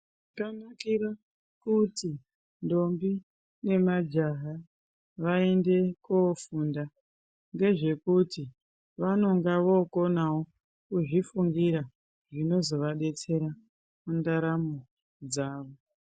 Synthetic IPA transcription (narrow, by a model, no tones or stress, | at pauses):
kanakiɾa | kuti | ndo̞mbi | ne̞mad͡ʒaɦa | ʋaende̞kofunda | ŋɡe̞ʐe̞kuti | ʋano̞ŋɡaʋo̞ko̞nawo̞ | kuʐifuŋɡiɾa | ʐino̞zo̞ʋaɗe̞t͡se̞ɾa | mundaɾamo | d͡zaːʋo